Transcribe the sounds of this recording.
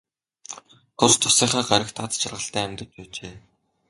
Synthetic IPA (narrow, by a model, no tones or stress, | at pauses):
t̪ʰʊst̪ʰʊsiːχaːɢaɾʲə̆xt̪ʰat͡st͡ɕʰarʁə̆ɬt̪æːæmʲt̪ə̆t̪pæːt͡ɕeː